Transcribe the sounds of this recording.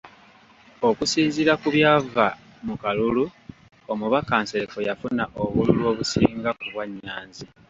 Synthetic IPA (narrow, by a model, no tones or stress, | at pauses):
o̞kusiːnziɾakuβjaːva | mukalulu | omuβakaːnseɾekojafunaʔoβululwo̞ːβusiːŋɡakuβwaɲːaːnzi